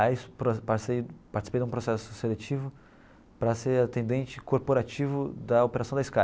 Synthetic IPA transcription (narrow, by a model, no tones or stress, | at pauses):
ajspɾopaɾt͡ʃsejpaɾt͡ʃi̥si̥pejd̪ũpɾosɛsʊselet͡ʃivʊ | pɾɐseɾat̪ẽnd̪ẽnt͡ʃɪ̥koɾpoɾat͡ʃivʊd̪ɐopeɾasɐ̃w̃d̪ɐɪiska